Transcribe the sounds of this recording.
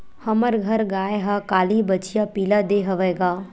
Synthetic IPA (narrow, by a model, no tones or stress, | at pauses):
hɐməɾɡʱɐɾɡaːeɦakaːlibɐt͡ʃʰijapiːlad̪eːɦɐʋɛːɡaː